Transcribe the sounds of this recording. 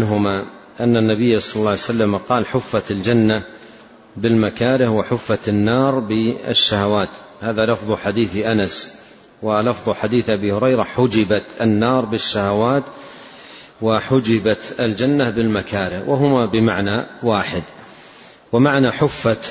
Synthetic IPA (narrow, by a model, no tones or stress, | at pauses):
ɦʊma | ʔanːanːabɪjːasˤɑlɑlːɑʕjsalːamaqɑːlħʊfːat̪ald͡ʒanːa | bɪlmakaːɾɪhwaħʊfːat̪nːɑːɾˤbɪa̰ʃːahawaːt̪ | haːðalɑfðˤħad̪iːθʔanas | wɪlɑfðˤħad̪iːθʔabihʊɾɑjɾaħʊd͡ʒɪbat̪ɪnːɑːɾˤbɪʃːahawaːt̪ | waħʊd͡ʒɪbat̪ɪld͡ʒanːabɪlmakʰaːɾɪhwʔaɦʊmabɪmaʕnawaːħɪd̪ | wamaʕnaħʊfːa